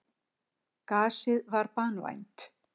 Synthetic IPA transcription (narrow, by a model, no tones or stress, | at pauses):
kaːsɪðvaɾpaːnua̰jnt̪